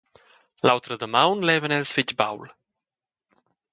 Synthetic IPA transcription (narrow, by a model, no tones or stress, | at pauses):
lawt̪ɾəd̪əmawnlɛːvənɛlsfɪt͡ʃba̰wl